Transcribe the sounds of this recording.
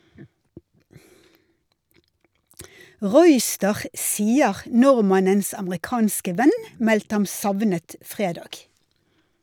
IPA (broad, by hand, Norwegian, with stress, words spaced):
ˈʁuːˌʏstəʁ ˈsiːəʁ ˈnʊʁmɑnəns ɑməʁɪˈkɑːnskə ˈʋɛn ˈmɛltə ˈhɑm ˈsɑʋnət ˈfʁeːdɑːɡ